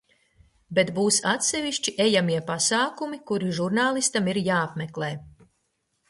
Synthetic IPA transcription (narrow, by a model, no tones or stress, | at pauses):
bet̪buːsat̪sɛviʃt͡ʃiʔejamiɛpasaːkumikuɾiʒuɾnaːlˠist̪amiɾjaːapmeklˠeː